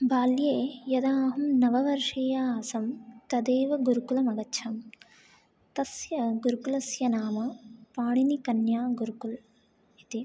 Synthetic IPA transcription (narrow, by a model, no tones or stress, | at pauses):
baːljeːjɐd̪aːɦɐmnɐʋɐʋɐɾʂiːjaːɦɐsɐmt̪ɐd̪eːʋɐɡuɾukulɐmɐɡɐːt͡ʃʰɐm | t̪ɐsjɐɡuɾukulɐsjɐnaːmɐpaːɳinikɐnjaːɡuɾukul | it̪i